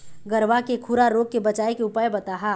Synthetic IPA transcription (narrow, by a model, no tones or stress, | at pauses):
ɡɐɾʋakekʰʊɾaɾoːɡ̚kebɐt͡ʃaːekeʊpaːjbɐt̪aːɦaː